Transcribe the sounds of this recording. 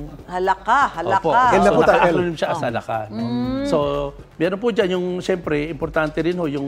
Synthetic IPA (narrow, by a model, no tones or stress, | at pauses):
hɐlɐkahɐlʔoɐpoaɛnɐuɐt̪aɐʔlonɪmʃaʔɐsɐlɐka̰nso̞ | mɛːɾonpʊd͡ʒanjʊŋʃɛmpɾɛɪmpoɾt̪ant̪ɛɾɪnhojʊŋ